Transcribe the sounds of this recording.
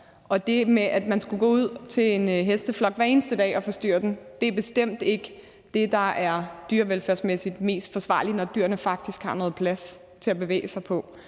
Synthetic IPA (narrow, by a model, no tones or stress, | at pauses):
ʔɒ̽d̥e̝meʔæd̥mænsɡ̥uɡ̥ɔ̰ːuð̞̰ˠt͡sʰe̝le̝nɦesd̥əflɒ̽ɡ̥ʋæɐe̝ːnəsd̥əd̥ɛ̰ːɒ̽fɒ̽sd̥y̰ːɐd̥end̥e̝æɐb̥e̝sd̥em̰d̥e̝ɡ̥ə | d̥e̝d̥ɑ̈æɐd̥yːɐʋelfæɐ̰smesid̥me̝̰ːsd̥fɒ̽sʋɑ̰̈ːlinɒd̥yɐnəfɑ̈ɡ̥̚d̥isɡ̥hɑ̈nɔ̽ːð̩ˠpʰlæs | t͡sʰe̝æb̥e̝ʋḛːsɑ̈ɪpʰɒ̽